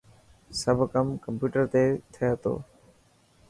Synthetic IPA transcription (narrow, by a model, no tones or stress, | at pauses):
səbʱkəmkəmpjuːʈəɾt̪eːt̪ʰɪjaːt̪o̰ː